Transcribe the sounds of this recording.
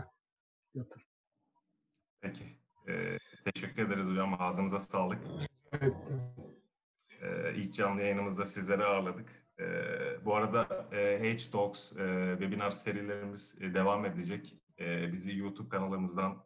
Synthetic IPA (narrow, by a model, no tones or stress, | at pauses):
jot̪ʰɯɾ | pʰecʰɪ | ɛ̰t̪ʰeʃɛcʰːyɾe̞d̪eɾizuamaːzɯmɯzasaːlˠɯk | eɛt̪ | ɛ̰ːḭlʲcjanlˠɯjajɯnɯmɯzd̪asizlʲe̞ɾɛaɾlˠad̪ɯk | ɛ̰ːbuaɾad̪aɦet͡ʃt̪oksɯvɛbinaɾse̞ɾilʲe̞ɾimiz̥d̪e̞vame̞d̪ed͡ʒɛc | ɛbizijuːt̪ʰup̚kʰanalˠːaɾɯmɯzd̪an